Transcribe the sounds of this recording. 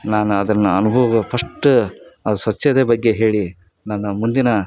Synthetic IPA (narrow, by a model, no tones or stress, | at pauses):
naːnuɐd̪ɐnːɐɐnubʱɐʋɐɡɐpʰɐʂʈːuɐd̪sʋɐt͡ʃːɐd̪eːbɐɡːe̞ɦe̞ːɭi | nɐnːɐmund̪inɐ